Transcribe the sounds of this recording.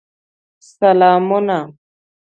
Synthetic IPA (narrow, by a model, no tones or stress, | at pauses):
salamɔna